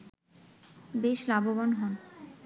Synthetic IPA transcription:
beʃlabobanɦɔn

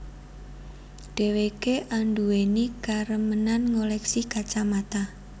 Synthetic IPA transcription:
ɖ̥ewekeʔaɳɖuwenikaɾəmənanŋolɛksikat͡ʃamat̪a

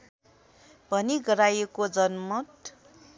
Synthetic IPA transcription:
bʱʌniɡʌɾajekod͡zʌnmʌt̪

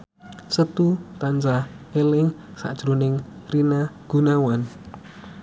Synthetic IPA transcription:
sət̪ut̪and͡ʒa | elɪŋsa̰ʔd̥ʒ̥ɾunɪŋrinaɡ̥unawan

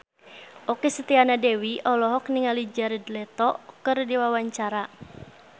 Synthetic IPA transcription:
ʔokesət̪ianadewiɔlɔɦɔk̚niŋalid͡ʒaɾidlɛt̪ɔkɨrdiwawaɲt͡ʃaɾa

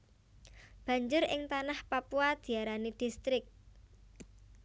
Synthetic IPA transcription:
b̥a̤ɲd͡ʒʊɾɪŋt̪anahpapuad̪̥i̤aɾanid̪̥ist̪ɾɪk̚

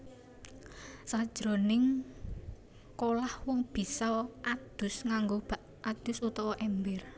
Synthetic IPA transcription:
sad̥ʒ̥ɾonɪŋ | kolahwɔŋb̥i̤sɔʔad̪̥ʊ̤sŋaŋɡob̥a̤ʔ | ad̪̥ʊ̤sut̪ɔwɔʔɛmbɪr

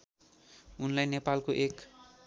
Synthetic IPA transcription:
unlajnepalkoʔek

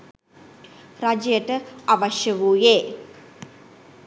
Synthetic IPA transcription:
ɾad͡ʒɐjəʈəaʋaʃjəʋuːje

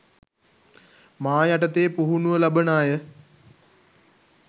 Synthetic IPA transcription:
maːjaʈət̪eːpuɦunuʋəlabənaːjə

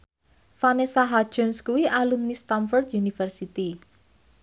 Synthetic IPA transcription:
fanesaɦad̥ʒ̥ɔ̤nskuwialumnist̪amfɔrt̪junifərsit̪i

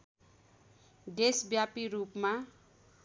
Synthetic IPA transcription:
ɖesbjapiɾupma

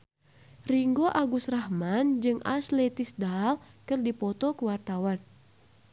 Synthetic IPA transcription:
riŋɡoʔaɡusrahmand͡ʒɨŋa̰slɛt̪ɪsdalkɨrdipɔt̪ɔkuwart̪awan

